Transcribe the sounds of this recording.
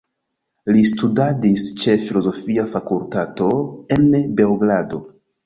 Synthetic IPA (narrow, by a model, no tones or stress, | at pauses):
listudadist͡ʃe̞filo̞zo̞fiafakultato̞e̞nbe̞lɡɾado̞